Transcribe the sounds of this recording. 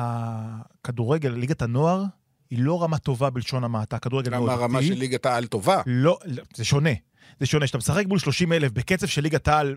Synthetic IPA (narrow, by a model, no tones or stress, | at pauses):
hakaduʁe̞ɡe̞llːiɡatano̞aʁ | hilo̞ʁamato̞vabilʃo̞namaːtakaduɣʁeɡeloaʁamaelːiɡataalt̪ovalozeʃo̞ne̞ | zeʃo̞neʃatamesaχek̚mulʃlo̞ʃimelefbeket͡sefʃelːiɡataal